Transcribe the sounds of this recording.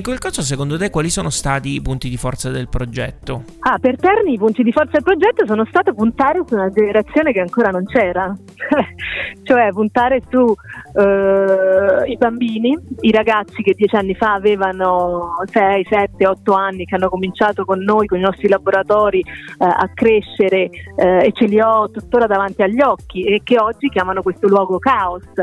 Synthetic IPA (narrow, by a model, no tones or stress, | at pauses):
ŋkwelkɔːsos̬ekond̪ot̪ekːwaːlisoːnost̪aːt̪iːpunt̪id̪ifɔ̰rt̪sad̪elpɾod͡ʒɛt̪ːo | apert̪ɛrniːpunt̪id̪ifɔrt̪ad̪elpɾod͡ʒɛt̪ːos̬oːnost̪aːt̪opunt̪aːɾesunad͡ʒeneɾat̪sːjoːnekeaŋkoːɾanont͡ʃɛːɾa | t͡ʃɛt͡ʃoɛpunt̪aːɾesu | ibambiːniiɾaɡat̪sːik̟ed̪ːjɛːt͡ʃanːifaːveːvanosɛjsɛt̪ːeɔt̪ːoanːikeanːokomint͡ʃaːt̪okonːoːjkoninɔst̪ɾilaboɾat̪ɔːɾia̰kːɾeʃːeɾeet͡ʃːeliɔt̪ːut̪ːoːɾad̪avant̪iaʎːɔkːiekːeɔd͡ʒːik̟jaːmanokwest̪olwɔːɡokaos